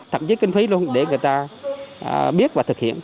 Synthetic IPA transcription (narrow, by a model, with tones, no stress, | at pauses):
t̪ʰə̰˧˨mt͡ɕi˨˦kï˧ŋ̟fi˨˦lu˧ənɗe˧˩ŋɨ˨˩əjt̪aː˧ | ɓi˦˥ət̚vaː˨˩t̪ʰɨ˨˩k̚hḭ˧˨ən